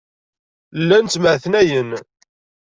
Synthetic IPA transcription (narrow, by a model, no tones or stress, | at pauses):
lːænt͡s̪ːməʕθnæjən